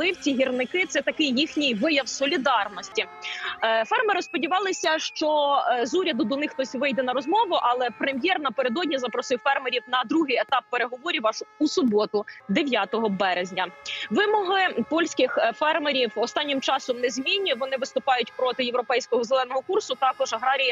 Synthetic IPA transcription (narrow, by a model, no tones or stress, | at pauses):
lˠɪwt͡sʲiɦʲirnɪkɪt̪sɛt̪ɐkɪjːixnʲijʋɪjɐwsɔlʲid̪ɑrnɔsʲtʲi | fɛrmeɾɪspɔdʲiʋɑlˠɪsʲɐʃt͡ʃɔzuɾʲɐd̪ʊd̪ɔnɪxt̪ɔsʲʋɪjd̪ɛnɐɾɔzmɔʋʊʔɐlˠɛpɾemʲjɛrnɐpe̞ɾed̪ɔdʲnʲizɐpɾɔsɪwfɛrmeɾʲiwnɐd̪ɾuɦɪjet̪ɑpːeɾeɦɔʋɔɾʲiʋɑʃusʊbɔt̪ʊd̪eʋʲjat̪ɔɦɔbɛɾezʲnʲɐʋɪmɔɦɪpɔlʲsʲkɪxfɛrmeɾʲiwɔst̪ɑnʲːɪmt͡ʃɑsɔmnɛzʲmʲinʲːiʋɔnɪʋɪst̪ʊpɑjʊtʲpɾɔt̪ɪjewɾɔpɛjsʲkɔɦɔzelˠɛnɔɦɔkursʊt̪ɑkɔʒɐɦɾɑɾʲijɐ